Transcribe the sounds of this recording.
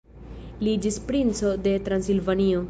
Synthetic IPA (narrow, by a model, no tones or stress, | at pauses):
liːd͡ʒispɾĩnsod̪et̪ɾãnsilʋanijo